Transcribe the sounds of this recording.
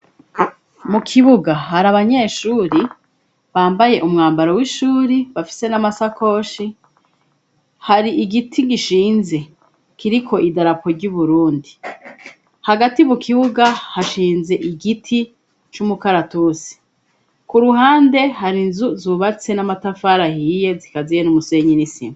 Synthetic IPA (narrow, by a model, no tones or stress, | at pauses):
mukʰiβuɡahaɾaβaɲe̞ːʃuːɾi | βaːmbaje̞ʔumŋaːmbaɾowiʃuːɾiβafi̥se̞namasako̞ːʃi | haɾiʔiɡitʰiɡiʃiːnze̞ | kiɾikʰo̞ʔidaɾapo̞ɾɟuβuɾuːndi | haɡatiβukʰiwuɡahaʃiːnze̞ʔiɡitʰi | t͡ʃumukaɾatusi̥ | kuɾuhaːnde̞haɾinzuzuβat͡se̞namatafaɾahije̞zikazijenumuse̞ɲinisḭma